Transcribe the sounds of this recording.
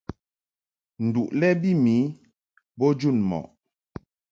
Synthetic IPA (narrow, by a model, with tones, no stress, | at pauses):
n̩˨du˨ʔlɛ˦bi˦mi˨˦ | bɔ˦d͡ʒu˦˨nmɔ̰˨ʔ